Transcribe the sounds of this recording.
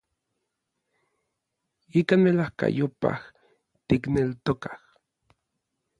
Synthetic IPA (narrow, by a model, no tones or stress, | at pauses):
ikaːnmelahka̰jopa̰h | t̪iknelt̪okḁh